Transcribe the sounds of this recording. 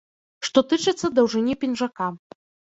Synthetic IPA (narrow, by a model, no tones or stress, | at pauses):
ʂt̪ɔt̪ɨt͡ʂɨt̪sːɐd̪ɐwʐɨnʲipʲinʐaka